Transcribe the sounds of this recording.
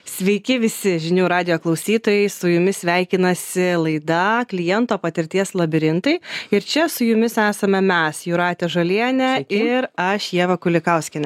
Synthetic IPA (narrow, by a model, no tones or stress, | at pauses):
sʲʋʲɛɪkʲɪʋʲɪsʲɪʒʲɪnʲuːɾɑːd̪ʲɪjoːklˠɐʊsʲiːt̪oːjɛɪsʊjʊmʲɪssʲʋʲæˑɪkʲɪnɐsʲɪlˠɐɪd̪ɐklʲɪjɛnt̪oːpɐt̪ʲɪɾʲt̪ʲiɛslˠɐbʲɪɾʲɪnt̪ɐɪɪɾt͡ʃʲɛsʊjʊmʲɪsæːsɐmʲɛmʲæsjuɾɑːt̪ʲɛʒɐlʲiɛnʲɛɪɾɐʃjiɛʋɐkʊlʲɪkɐʊsʲkʲɪnʲɛ